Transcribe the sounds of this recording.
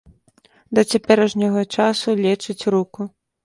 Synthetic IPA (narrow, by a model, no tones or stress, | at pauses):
d̪ɐt͡sʲapʲɛɾɛʐnʲɐɣɐt͡ʂasulʲɛt͡ʂɨt͡sʲruku